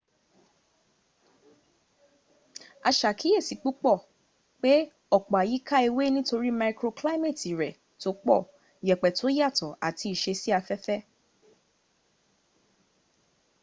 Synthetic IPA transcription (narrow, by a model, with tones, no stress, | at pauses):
a˧ʃa˨ki˨˦e˦˨si˨k͡pu˦k͡pɔ˦˨ | k͡pe˦ | ɔ˦˨k͡pa˨ji˨˦ka˦i˧we˦nĩ˦to˧ɾi˦ma˧kɾo˧kla˦me˦˨ti˨ɾɛ˨ | to˨˦k͡pɔ̰˦˨ | jɛ˨k͡pɛ˨to˨˦ja˦˨tɔ˨a̰˨tʰi˧i˨ʃe˧si˦a˧fɛ˦fɛ˦